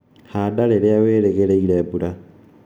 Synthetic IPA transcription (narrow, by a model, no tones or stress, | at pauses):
hadaleleaweɾeɣeleilebuɾa